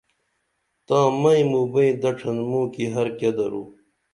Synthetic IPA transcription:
t̪ãːmɐĩmuːbɐĩd̪ɐʈ͡ʂʰɐnmũːkiɦɐɾkɐd̪ɐɾuː

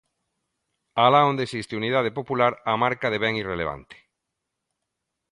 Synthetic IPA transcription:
alaõnd̪esist̪euniðað̞epopulaɾamaɾkaðeβɛŋireleβ̞a̰nt̪e̥

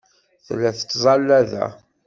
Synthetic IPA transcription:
θlːæθə̥t͡sːzˤɑlːæðæ̰

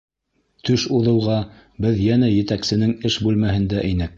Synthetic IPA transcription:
t̪ɵʃuðɤ̆wʁɑ | bɘðjænæjɘ̆t̪æksɘ̆nɘŋɘʃbʉlmæhɘ̆nd̪æʔinɘk̚

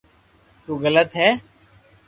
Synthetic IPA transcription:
t̪uːɣələt̪ɦɛː

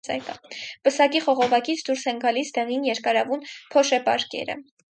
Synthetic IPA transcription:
ɛ̰jkəpəsɑkiχɔʁɔvɑkit͡sʰd̪uɾsɛnɡɑlisd̪ɛʁinjɛɾkɑɾɑvunpʰɔʃɛpɑ̰ɾkɛ̰ɾə̰

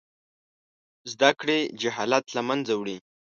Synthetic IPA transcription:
zd̪akɽed͡ʒaɦalat̪lamand͡zawɽi

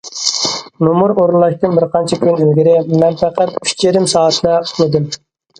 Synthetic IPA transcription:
nomuɾoɾunlˠɑʃt̪ɨnbɪɾqɑnt͡ʃʰɛkʲynilɡʲɪɾɪmɛnfæqæt̪y̥t͡ʃeɾɪmsɑːt̪ɨnɛʊt̪lˠɨd̪ɨm

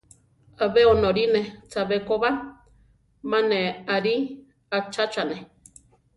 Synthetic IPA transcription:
aβeonoɾinet͡saβekoβa | maneaɾi | at͡ʃat͡ʃane

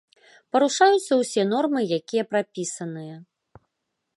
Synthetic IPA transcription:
pɐɾuʂajut̪sːɐwsʲɛnɔrmɨjakʲijɐpɾapʲisɐnɨjɐ

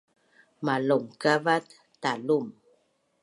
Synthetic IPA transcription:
maloŋkavat̪ | talum

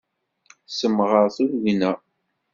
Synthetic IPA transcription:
səmʁəɾθˤivʝnæ

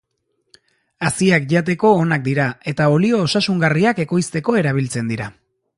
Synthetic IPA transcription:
asiak̚ʝat̪̬e̞ko̞ːnak̚d̪iɾae̞t̪ao̞lio̞ːsasuŋɡariake̞ko̞jst̪e̞ko̞e̞ɾaβ̞ilt͡se̞nd̪iɾa

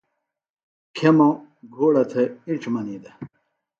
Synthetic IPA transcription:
kʰemõɡʱoːɽɐt̪ʰeiʈ͡ʂʰmɐniːd̪ɐ

